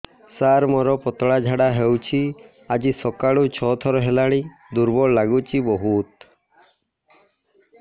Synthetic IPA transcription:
saɾmɔɾɔpɔt̪ɔɽad͡ʒʱaɽaɦewt͡ʃʰi | ad͡ʒisɔkaɭut͡ʃʰɔt̪ʰɔɾɔɦelaɽ̃i | d̪uɾbɔɭlaɡut͡ʃʰibɔɦut̪

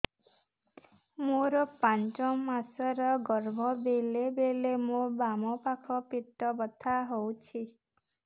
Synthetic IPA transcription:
moɾɔpant͡ʃɔmasɔɾɔɡɔɾbʱɔbelebelemobamɔpakʰɔpiʈːɔbɔt̪ʰaɦowt͡ʃʰi

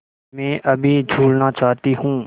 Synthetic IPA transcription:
mɛ̃ːʔɐbʱid͡ʒʱuːlnat͡ʃaːt̪iɦũː

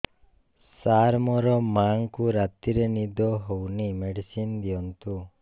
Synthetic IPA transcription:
saɾmɔɾɔmaŋkuɾat̪iɾenid̪ɔɦownimeɽisind̪ijɔnt̪u

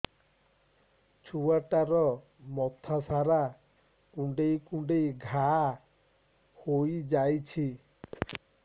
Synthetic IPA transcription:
t͡ʃʰuaʈaɾɔ | mɔt̪ʰasaɾa | kũɳɖejkũɳɖejɡʱa | hojd͡ʒajt͡ʃʰi

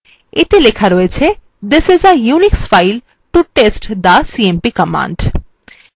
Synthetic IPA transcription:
et̪elekʰaɾɔet͡ɕʰe | d̪ɪsɪzəjuniksfajl | ʈuʈesʈd̪asiempikəmã̰ɳɖ

